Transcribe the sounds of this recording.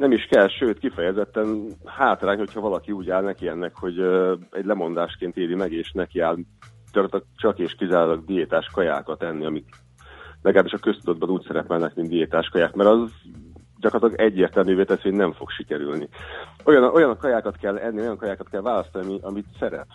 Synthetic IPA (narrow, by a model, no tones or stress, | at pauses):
nɛmiʃkɛlʃøːt̪kifɛjɛzɛt̪ːɛnhaːt̪raːɲho̞chɒvɒlɒkiuːɟaːlnɛkiɛnːɛkho̞ɟɛɟlɛmo̞nd̪aːʃkeːnt̪eːlimɛɡeːʃnɛkiaːlɟ̥ɒkrɑt̪ɒɡt͡ʃɒkeːʃkizaːɾolɒɡd̪ijeːt̪aːʃkɒja̰ːkɒt̪ɛnːiɒmit̪ | lʔɛɡlaːbiʃɒkø̞st̪ud̪o̞d̪̚bɒnuːcsɛɾɛpɛlnɛkmind̪ijeːt̪aːʃkɒjaːkmɛɾɒz | ɟɒkrɑt̪lɒɡɛɟːeːrt̪ɛlmyːveːt̪ɛt̪sennɛɱfo̞kʃikɛɾylnḭojɒnʔo̞jɒnkɒjaːkɒt̪kɛlːɛnːio̞jɒŋkɒjaːkɒt̪kɛlvaːlɒst̪ɒniɒmiʔɒmit̪sɛɾɛ̰p